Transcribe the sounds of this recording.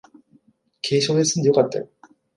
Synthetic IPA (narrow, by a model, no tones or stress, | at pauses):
kʰe̞ːɕoːd̪esɨ̃nd̪e̞jokat̪ːa̰jo